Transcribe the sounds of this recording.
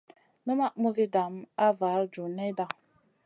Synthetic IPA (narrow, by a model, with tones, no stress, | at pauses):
nə˦ma˦ʔmu˦zi˦da˨m˦a˦va˨˦ɾd͡ʒu˨ne˦da˨